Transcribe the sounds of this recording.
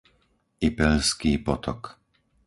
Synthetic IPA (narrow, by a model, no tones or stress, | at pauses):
ipɛʎskiːpɔt̪ʰɔk